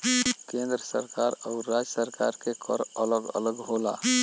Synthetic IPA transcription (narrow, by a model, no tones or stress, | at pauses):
kẽnd̪ɾəsə̰ɾkaɾauːad͡ʒəsəɾkaɾkekʰɔ̰ɾələɡə̰ləɡɦola̰